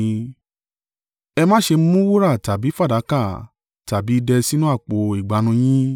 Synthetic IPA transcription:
ɛ˧mã˦ʃe˧m̩˦mũ˦wo˦ɾa˦˨ta˨bi˨˦fa˦˨da˨˦ka˦˨ | ta˨bi˨˦dɛ˧si˦nũ˦a˦˨k͡po˨i˨ɡ͡ba˨˦nũ˧j̃ĩ˦

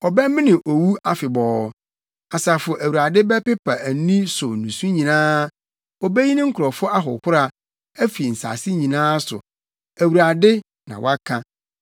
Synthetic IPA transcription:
ɔ˨bɛ˦mɪ̃˦nɪ̃˨ʔo˨wu˦a˦fɪ˨bɔː˨˦ | a˨sa˨fʊ˨ʔæ˨wu˨ɾa˨dɪ˦bɛ˦pɪ˦pʰa˨æ˨˦nĩ˦sʊ˨nũ˨sũ˦ɲĩ˨nãː˦ | ɔ˨bɛ˦ji˦nɪ̃˦ŋ̩˦kʰʊ˨ɾɔ˨fʊ˦a˦ɦʊ̰˨kʰʊ˦ɾa˨ | æ˦fi˨n̩˨sa̰˨sɪ˦ɲĩ˨nãː˦sʊ̰˨ | æ˨wu˨ɾa˨dɪ˦ | nã̰˨wa˦kʰã˦

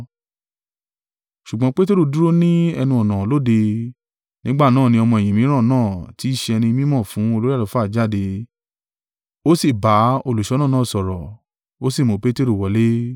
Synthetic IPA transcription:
ʃu˨ɡ͡bɔ̃˧˦k͡pe˦te˦ɾu˦˨du˦ɾo˦nĩ˦ɛ˧nũ˧ɔ˨nã˨lo˨˦de˧ | nĩ˦ɡ͡ba˦˨nãː˦˨nĩ˧ɔ˧mɔ̃˧ɛ̃˨ĩ˨mĩ˨˦ɾ̃ã˦˨nãː˦˨ti˨˦i˦˨ʃe˧ɛ˧nĩ˧˦mĩ˦mɔ̃˦˨fũ˨˦o˧lo˦ɾi˦a˦˨lo˨˧˦fa˦˨d͡ʒa˦˨de˧ | o˦si˦˨ba˨˦o˧lu˨ʃɔ˨˦nãː˦˨ãː˦˨sɔ˨ɾɔ˨ | o˨˦si˦˨mõ˨˧pe˦te˦ɾu˦˨wɔ˨˦le˦

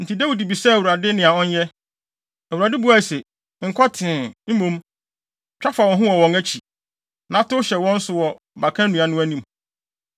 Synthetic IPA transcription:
n̩˨tʰi˨dæ˦wi˨di˨bi˨sɛ˦˨u˨ɾa˨dɪ˦nɪ̃˨a˨ɔ̃˦n˦jɛ˦ | æ˨u˨ɾa˨dɪ˦bu˦a˦˨se˨ | ŋ̩˨kʰɔ˦tʰɪ̃˨m̩˦mũ˦m | t͡ɕᶣa˦fa˨wɔ̃˨nɦʊ̃˦wɔ˨wɔ̃˨ŋæ˦t͡ɕʰi˨ | nã˨˦tʊ˦ɕɛ˨wɔ̃˦n̩˦sʊ˨wɔ˨ | ba˨kʰã˦nũ˨ã˨nʊ̃˦æ˦nĩ˦m

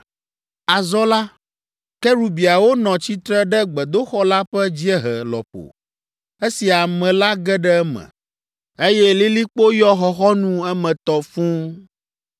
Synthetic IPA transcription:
a˨zɔ˦la˦ | kɛ˦ɾu˨bi˨a˨wo˦nɔ̃˨t͡ɕi˦t̪ɾɛ˦ɖɛ˦ɡ͡bɛ˨d̪o˦xɔ˦la˦ɸɛ˦d͡ʑi˦ɛ˦ɦɛ˨lɔ̰˨ɸo̰˨ | e˦si˨a˨mɛ̃˨la˦ɡɛ˦ɖɛ˦ɛ˦mɛ̰̃˨ | e˦jɛ˦li˦li˦k͡po˦jɔ˦xɔ˦xɔ˦nũ˦ɛ˦mɛ̃˨t̪ɔ˨fũ˦

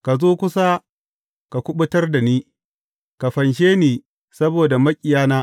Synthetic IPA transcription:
ka˨zoː˦kʷʊ˦sa˦ | ka˨kʷʊ˦ɓʊ˦tɐ˦rda˨niː˦ | ka˨ɸɐ˨nʃ̬eː˦niː˨ | sɐ˦boː˨da˨mɐ˦kʲʼɪ˨jaː˦naː˦

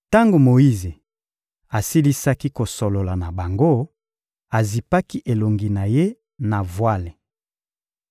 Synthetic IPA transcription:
ta˦ŋɡo˨mo˨i˦ze˨ | a˨si˦li˦sa˦ki˦ko˨so˨lo˨la˨na˨ba˨ŋɡo˦ | a˨zi˨pa˦ki˦ʔe˨lo˨ŋɡi˨na˨je˦ | na˨vwa˦le˨

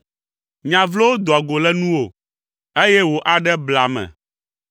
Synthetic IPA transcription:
ɲã˨vlo˦wo˦d̪o˨a˨ɡo˨lɛ˦nũ˦wo˨ | e˦jɛ˦wo˨ʔa˨ɖɛ˦bla˨mɛ̰̃˨

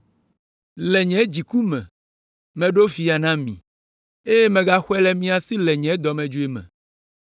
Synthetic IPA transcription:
lɛ˨ɲɛ̃˨˦d͡ʑi˨ku˦mɛ̰̃˨ | mɛ̃˨ɖo˦vi˨a˨nã˦mḭ̃˨ | e˦je˦mɛ̃˨ɡa˦xwɛ˦lɛ˦mĩ˦a˨si˦lɛ˨ɲɛ̃˨˦d̪ɔ˨mɛ̃˨d͡ʒu˦e˦mɛ̰̃˨

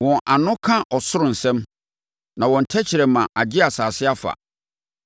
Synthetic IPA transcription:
wɔ̃˨nʔa˨nʊ̃˦kʰã˦ʔɔ˨sʊ˦ɾʊ̃˨n̩˨sɛ̃˦m | nã˨wɔ̃˨n̩˨tʰɛ˦t͡ɕʰɪ˨ɾɛ˨mã˨ʔa˨d͡ʑɪ˦a˨saː˨sɪ˦a˦fa̰˨

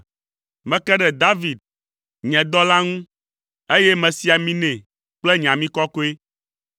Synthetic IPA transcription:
mɛ̃˨kɛ˦ɖɛ˨d̪a˦vi˨d̪̚ | ɲɛ̃˨d̪ɔ˦la˦ŋũ˦ | e˦jɛ˦mɛ̃˨si˦a˨mĩ˦nɛ̃˨ | k͡plɛ˦ɲ˨ã˨mĩ˦kɔ˦ko˦e˦

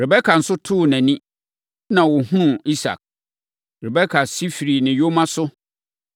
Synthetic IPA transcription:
ɾɪ˨bɛ˦kʰa˨n̩˨sʊ˦tʰʊː˦˨næ̃˨nĩ˦ | nã˨wʊ˨hʊ̃˦nũ˦i˦sa̰˨k̚ | ɾɪ˨bɛ˦kʰa˨si˦fi˨ɾi˨nɪ̃˨jo˦mã˦sʊ˦

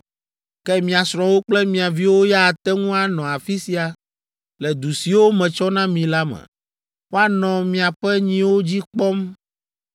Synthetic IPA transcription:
kɛ˦mĩ˨a˨sɾ̃ɔ̃˨wo˦k͡plɛ˦mĩ˨a˨vi˦wo˦ja˦a˨t̪ɛ˦ŋũ˦a˨nɔ̃˨a˨fi˦si˦a˨ | lɛ˨d̪u˨si˨wo˦mɛ̃˨t͡ʃɔ˦nã˦mĩ˨la˦mɛ̰̃˨ | wo˦a˦nɔ̃˨mĩ˨a˨ɸɛ˦ɲĩ˦wo˦d͡ʑi˦k͡pɔ˦m

